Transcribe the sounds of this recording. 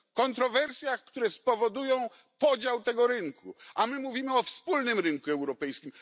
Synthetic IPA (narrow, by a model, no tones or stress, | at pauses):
kɔnt̪ɾɔvɛɾsʲjaxkt̪uɾɛspɔvɔd̪ujɔ̃w̃ | pɔd͡ʑawt̪ɛɡɔɾɘŋkuʔamɘmuvʲimɘɔfspulnɘmɾɘŋkuɛwɾɔpɛjskʲim